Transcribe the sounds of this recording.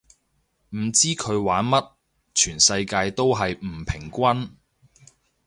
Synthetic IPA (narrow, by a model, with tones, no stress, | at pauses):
m̩˨˩t͡siː˥kʰɵ˨˧ɥwaː˨˥nmɐ˥t̚ | t͡ʃʰyː˨˩nsɐ˧jkaː˧jt̪o˥wɦɐ˨jm̩˨˩pʰɪ˨˩ŋkʷɐ˥n